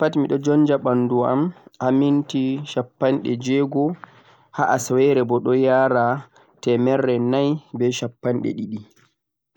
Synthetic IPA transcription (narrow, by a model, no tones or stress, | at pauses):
patimiɗɔd͡ʒɔnd͡ʒaɓanduamʔamintiʃapːanɗɛ̰d͡ʒɛɡɔ | haʔasawɛɾɛbɔɗɔjaːɾa | tɛmɛrːɛnajbɛʃapːanɗɛ̰ɗiɗi